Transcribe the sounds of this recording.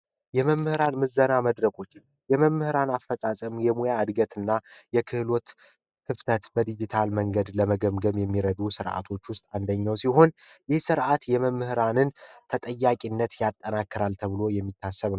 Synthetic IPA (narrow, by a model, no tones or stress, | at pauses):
jɛməmːɨhɾanmɨzːənaməd̪ɾəkʰʼo̞t͡ʃː | jɛməmːɨhɨɾanafːəsʼasʼəmjɛmujaːd̪ɡət̪ɨnːajɛkʰɨhlo̞t̪ | kʰɨft̪ʰət̪bəd̪id͡ʒit̪ʰalməŋɡəd̪ləməɡəmɡəβjɛmːiɾəd̪usɨɾʔa̰t̪ʰo̞t͡ʃːwʊst̪ʼand̪əɲːawsiɦo̞njɪhsɨɾʔat̪jɛməmːɨhɨɾanɨnt̪ʰət̪ʼəjːakʼinːət̪jat̪ʼːənakːɨɾalt̪ʰəβɨlo̞jɛmːit̪ʰːasːəβn